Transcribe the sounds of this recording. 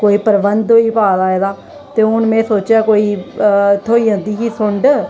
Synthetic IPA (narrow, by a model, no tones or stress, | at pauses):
koːiːpəɾbənd̪ɦoːiːpaːlaːeːd̪aː | t̪eːʊnmɛ̃ːsoːt͡ʃjaːkoːiːt̪ʰoːiːãːd̪iːɦiːsʊɳɖ